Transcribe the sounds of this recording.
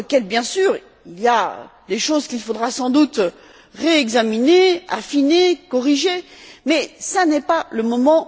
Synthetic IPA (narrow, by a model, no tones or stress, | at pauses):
əkʲɛlbjɛ̃syːʁ | ilija̰d̪eʃozkʲilfod̪ʁasɑ̃d̪ut̪ | ʁeɛɡzaminea̰finekɔʁiʒemɛsanɛpaləmɔmɑ̃